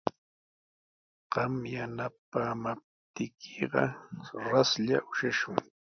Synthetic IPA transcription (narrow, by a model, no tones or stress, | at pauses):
ɢ̥ɑmjanapaːmap̚t̪ɪkʰeɢɑɾasʎa̰ʔʊʃaʃʊŋ